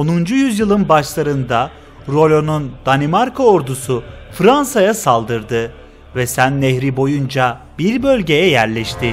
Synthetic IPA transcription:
o̞nund͡ʒujyzjɯlˠɯnbaʃlˠaɾɯnd̪a | ɾo̞lʲo̞nund̪̥animaɾkʰoːɾd̪usufɾansajasalˠd̪ɯɾd̪ɯ | vɛsænːehɾibo̞jund͡ʒa | biɾbø̞lʲɟe̞jɛjæɾlʲɛʃt̪ʰɪ

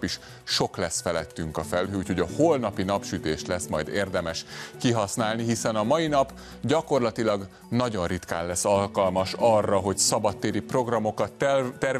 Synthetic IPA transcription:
piʃ | ʃo̞klɛsfɛlɛt̪ːyŋkɒfɛlɦøuːcʰho̞ɟɒholnɒpinɒpʃyt̪eːʃlɛsmɒ̰jd̪ḛːrd̪ɛmɛʃkiɦɒsnaːlniɦisɛnɒmɒjinɒp | ɟɒko̞rlɒt̪ilɒɡ | nɒɟo̞nrit̪ka̰ːlːɛsːɒlkɒlmɒʃɒrːɒɦo̞ɟsɒbɒt̪ːeːɾipro̞ɡrɒmo̞kɒt̪ːt̪ːɛr

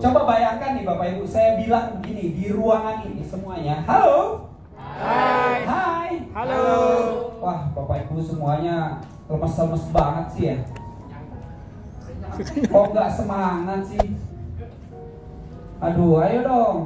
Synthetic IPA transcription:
t͡ʃobabajaŋkanːɪbapaibusajabilaŋmukinidiɾuaŋanisəmuaɲaɦalo | ɦaj | wahpapaibusəmuaɲa | ləməsləməsbaŋət̪̚siɦja | kɔŋɡaʔsəmaɦaŋnansɪh | adoɾajodɔŋ

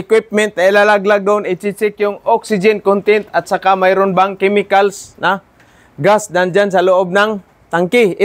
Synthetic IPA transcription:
ɪkwɪp̚mɛnt̪̚nailalaɡlaɡ̚dʊnɪt͡ʃit͡ʃɪkjʊŋoksɪd͡ʒɪnkont̪ɪnt̪at̪sakamajɾʊnbaŋkɛmɪkalsna | ɡasdand͡ʒansalʊʔob̚naŋ | t̪aŋkɪɪ

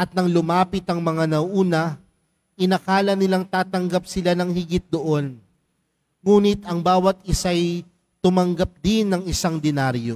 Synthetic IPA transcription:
ʔɐt̪̚nɐŋlʊmaːpɪt̪ɐŋmɐŋanɐʔuːnɐ | ʔɪnɐkaːlɐnɪlaŋt̪aːt̪ɐŋɡap̚sɪlanɐŋhɪɡɪt̪̚d̪oʔo̞n | ŋuːnɪt̪ɐŋbaːwɐt̪̚ɪsaj | t̪ʊmɐŋɡap̚d̪ɪnːɐŋɪsaŋd̪ɛnaɾjo̞

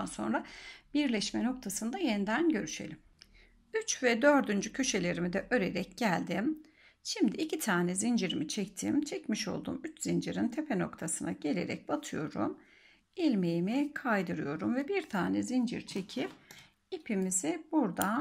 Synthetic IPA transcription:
anso̞̰nɾabiɾlʲɛʃmɛno̞k̚t̪ʰasɯnd̪ajenid̪ænɟø̞ɾyʃe̞̰lʲim | yt͡ʃvɛd̪ø̞ɾd̪ynd͡ʒycʰø̞ʃe̞lʲe̞ɾimid̪ɛʔø̞ɾe̞ɾɛcɟælʲd̪im | ʃimd̪iːcʰit̪ʰaːnɛzind͡ʒiɾimit͡ʃʰɛct̪ʰḭmt͡ʃʰɛcmiʃo̞̰lˠd̪ṵːmyt͡ʃz̥ind͡ʒiɾint̪ʰepʰeno̞̰kt̪ʰasɯna̰ɟe̞lʲe̞̰ɾɛ̰c̚bat̪ʰɯjo̞̰ɾṵm | ilʲmejimikʰajd̪ɯɾɯjo̞ɾumvɛbiɾt̪ʰaːnɛzind͡ʒḭɾt͡ʃʰecʰip̚ | ipʰimizibuɾd̪a

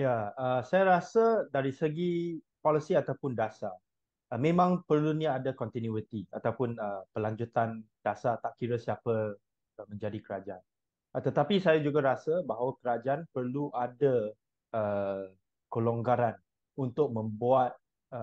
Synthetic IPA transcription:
jaəsajaɾasədaɾisəɡi | pɔləsiat̪awpʊndasa | əmẽmãŋpərluniadakɔnt̪injuit̪ia̰t̪awpʊnəpəlaɲd͡ʒut̪and̥asat̪aʔkiɾəsiapə | mə̃ɲd͡ʒadikəɾad͡ʒaan | t̪ət̪apisajad͡ʒuɡaɾasəbaɦawakəɾad͡ʒaanpərluʔada | ə | kəlɔŋɡaɾan | unt̪ʊk̚mə̃mbuat̪̚ | ə

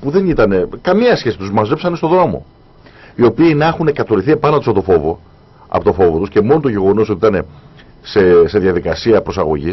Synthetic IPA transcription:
puðe̞nit̪ɐne̞kɐmiɐsçe̞si̥t̪uzmɐzepsɐnest̪o̞ðɾoomo̞̰ | io̞piːnɐexunekɐt̪o̞liθie̞pɐnot̪usɐpot̪o̞fo̞vo | ɐ̰pot̪o̞fo̞vot̪usce̞mo̞not̪oʝe̞ɣo̞nos̬o̞t̪iit̪ɐne̞ | se̞se̞ðʝɐðikɐsiɐpɾo̞sɐɣo̞̰ʝis

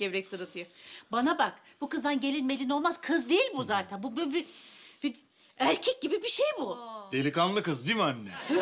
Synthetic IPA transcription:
ɟ̥ɛbɾɛcsɯɾɯt̪ʰɯjobanabak | b̥ukɯzd̪anɟe̞lʲinme̞lʲino̞lˠmazkʰɯzd̪ejilʲbuzaːt̪ʰænbubbib̥i | æɾcʰɛc̚ɟibibiʃejbud̪̥elʲikanlˠɯkɯzd̪imanʲːɛ

